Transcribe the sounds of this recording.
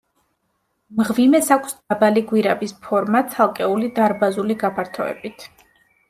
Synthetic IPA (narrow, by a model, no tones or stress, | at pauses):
mʁvimɛsakʰʷsd̪abaliɡwiɾabispʰɔɾmat̪sʰalˠkʼɛulid̪aɾbazuliɡapʰaɾt̪ʰɔɛ̰bit̪ʰ